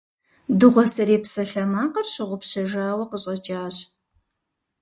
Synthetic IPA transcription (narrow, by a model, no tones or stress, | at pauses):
dɨʁʷɔsɐɾeːpsɐɬɐmaːqɐrɕɪʁʷʊpɕɐʒaːwɐqəɕʼɐt͡ʃʼaːɕ